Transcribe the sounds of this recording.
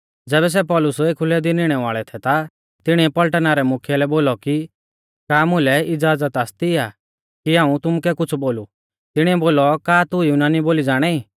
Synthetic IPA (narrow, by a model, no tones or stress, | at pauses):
d͡zɛːβɛs̬ɛpɔlʊsueːkʰʊlɛd̪ɪnɪɽ̃ɛʋaːɭɛt̪ʰɛt̪a | t̪ɪɽ̃iɛpɐlʈənaɾɛmʊkʰjɛlɛboːlɔki | kaːmʊlɛɪd͡zaːd͡zət̪aːst̪iaː | kiaːũt̪ʊmukɛkʊt͡sʰboːlu | t̪ɪɽ̃iɛboːlɔkaːt̪ʊjunaːniboːlid͡zaːɽ̃ɛi